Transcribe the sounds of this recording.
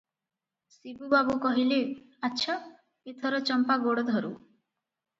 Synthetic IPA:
sibubabukɔɦile | ətːt͡ʃʰa | et̪ʰɔɾɔt͡ʃɔmpaɡoɽɔd̪ʱɔɾṵ

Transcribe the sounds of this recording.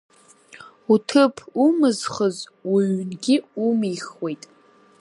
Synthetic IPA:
utʰɨpʰumɨzχəzwiɥnɡʲiumiχwe̞jtʼ

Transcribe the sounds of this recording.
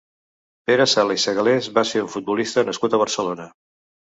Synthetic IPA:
peɾəsalisəɣəlezβaseɾuɱfut̪̚bulist̪ənəskut̪əβ̞əɾsəlonə

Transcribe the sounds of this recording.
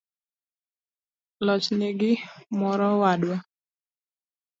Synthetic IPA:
lɔt͡ʃnɪɡɪmɔɾɔwadwa

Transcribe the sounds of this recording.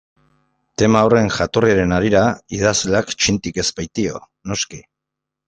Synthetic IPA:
t̪e̞maore̞ŋʝat̪o̞riaɾe̞naɾiɾaið̞azleakt͡ʃint̪ike̞spajt̪io̞̰ | no̞ski

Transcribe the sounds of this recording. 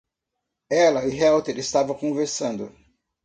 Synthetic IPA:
ɛlɐiɦɛwt̪eɾɪst̪avɐ̃kõveɾsɐ̃nd̪ʊ̰

